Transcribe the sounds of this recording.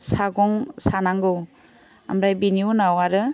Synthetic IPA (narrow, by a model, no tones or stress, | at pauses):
saɡɔŋsanaŋɡɯ | amɾajbinjunawaɾɯ